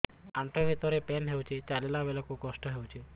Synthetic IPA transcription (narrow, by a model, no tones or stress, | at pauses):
aɳʈɔbʱit̪ɔɾepenɦewt͡ʃʰit͡ʃalelabelɔkukɔsʈɔɦewt͡ʃʰi